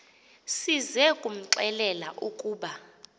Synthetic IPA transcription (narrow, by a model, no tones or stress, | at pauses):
sizɛkʼum̩ǁɛlɛlaʔukʼuːɓa